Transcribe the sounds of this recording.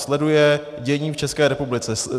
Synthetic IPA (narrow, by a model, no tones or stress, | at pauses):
slɛdujɛ | ɟɛɲiːft͡ʃɛskɛːɾɛpublɪt͡sɛ